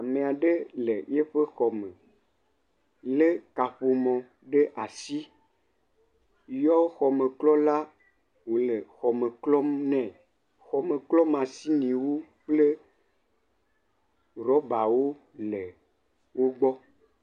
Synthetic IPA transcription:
a˨mẽ˨a˨ɖe˦le˨je˦ɸe˦xɔ˨mẽ˨ | le˦ka˨ɸo˨mɔ̃˨ | ɖe˦ʔa˨si˦ | jɔ˦xɔ˨mẽ˨klɔ˦la˦ | wo˨le˨xɔ˨mẽ˨klɔ˦m˦nɛ̃˨ | xɔ˨me˨klɔ˦mã˨si˦nĩ˨wo˦k͡ple˦ | ɾɔ˦ba˨wo˦ | le˨ | wo˦ɡ͡bɔ˦

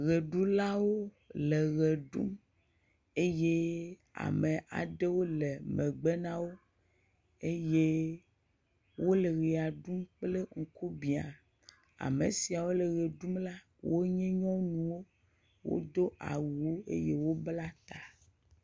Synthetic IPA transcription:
ɣe˨ɖu˦la˦wo˦ | le˨ɣe˨ɖṵ˦m | e˦je˦ | a̰˨mẽ˨ʔa̰˨ɖe˦wo˦le˨mẽ˨ɡ͡be˦nã˦wo˦ | e˦je˦ | wo˦le˨ɣi˨a˨ɖu˦mk͡ple˦ŋ̩˨ku˦bi˨a˨ | a̰˨me˨si˨a˨wo˦le˨ɣe˨ɖu˦mla˦ | wo˦ɲɛ̃˦ɲɔ̃˦nũ˨wo˦ | wo̰˦d̪o˦ʔa̰˨wu˨wo˦ḛ˦je˦wo˦bla˦t̪a˨

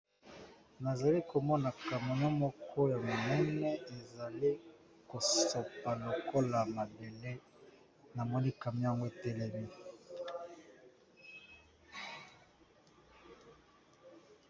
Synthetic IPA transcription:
na˨za˨li˦ko˨mɔ˦na˨ka˨mo˨nɔ˦mɔ˦kʰɔ˦ja˨mo˨nɛ˦nɛ˦e˨za˨li˦ | ko˨so˨pa˨lo˨ko˦la˨ma˨be˨le˦ | na˨mɔ˦ni˦ka˨mi˦ja˦ŋɡo˦e˨tɛ˦lɛ˦mi˦

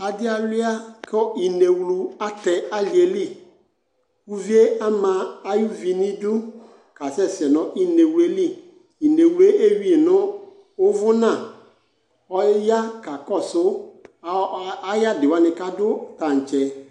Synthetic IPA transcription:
a˨dɪ˦a˨lɪ˦a˦kɔ˦i˨ne˨wlu˨a˦tɛ˨a˦li˨e˨li˦˨ | ku˦vi˦e˦a˦mã˨a˦ju˦vi˨nĩ˦dʊ˦ | ka˨sɛ˦sɪ˨ɛ˨nɔ̃˨ʔi˦ne˨wu˨˦e˦li˦ | i˨ne˨wlu˨˦e˦ʔe˦ɥi˦e˨nʊ̃˦ | ʊ˦vʊ˦nã˦˨ | ɔ˦ja˦ka˨kɔ˦˨sʊ˦ | a˦ja˦dɪ˨wa˦nɪ˨ka˦dʊ˦ta˨n̩˨t͡ʃɛ˨

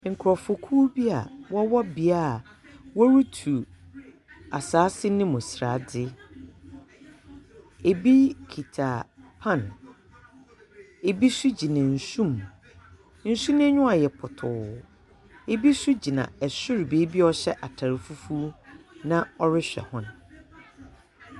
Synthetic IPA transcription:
ŋ̩˨kʰʊ˨ɾɔ˨fʊ˨kʰuː˦bi˦a˨wɔ˦wɔ˦bi˨a˦˨ | wɔ˦ɾu˦tʰu˨ | a˨saː˨˦sɪ˦nɪ̃˦mʊ̃˨sɾa˨dɪ˦ | e˨bi˦kʰi˨tʰa˨pʰã˦˨n | e˨bi˦su˦d͡ʑi˨nã˨n̩˨sũ˦˨m | n̩˦˨su˦nɪ̃˦ɲʊ̃˦a˨jɛ˨pʰʊ˨tʰʊ˨ | e˨bi˦su˦d͡ʑi˨nã̰˨ɛ˨sʊ˦ɾbe˨˦bi˦ɔ˦ɕɛ˦ʔa˨tʰa˨ɾɪ˨fu˦fu˦nã˦ɔ˦ɾɪ˦ɕᶣɛ̰˨hʊ̃˦n˨

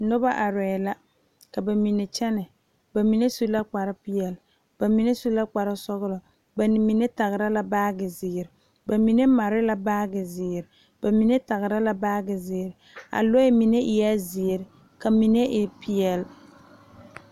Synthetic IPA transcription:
nʊ˦ba˦ʔa˨ɾɛ˨la˦ | ka˨ba˨mi˨ne˨t͡ʃɛ˦nɛ˨ | ba˨mi˨ne˦su˦la˦k͡pa˨ɾa˦pi˦jɛ˨l | b̥a˨mi˨ne˦su˦la˦k͡pa˨ɾa˦sɔ˦ɣʊ˦lɔ˨ | ba˨n˨mi˨ne˦ta˨ɣɪ˨ɾa˦la˦baː˦ɡɪ˨zɪ˨ɾɪ˨ | ba˨mi˨ne˦ma˨ɾɪ˦la˦baː˦ɡɪ˨zɪ˨ɾɪ˨ | ba˨mi˨ne˦ta˨ɣɪ˨ɾa˦la˦baː˦ɡɪ˨zɪː˨ɾɪ˨ | a̰˨lo˦ɛ˦mi˨ne˦ʔɪ˨ja˦zɪː˨ɾɪ˨ | ka˨mi˨ne˦ʔɪ˨pi˦ɛ˨l

